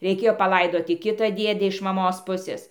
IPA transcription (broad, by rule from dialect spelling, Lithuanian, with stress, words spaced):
rʲɛɪˈkʲeːjoː pɐˈlˠɐɪdoːtʲɪ ˈkʲɪtɐ ˈdʲiɛdʲɛ ɪʃ mɐˈmoːs ˈpʊsʲeːs